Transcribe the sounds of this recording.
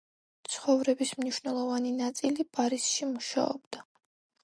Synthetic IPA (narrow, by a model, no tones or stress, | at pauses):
t̪sʰχɔvɾɛbismniʃwvnɛlˠɔvaninat̪sʼilipʼaɾisʃimuʃa̰ɔ̰bd̪a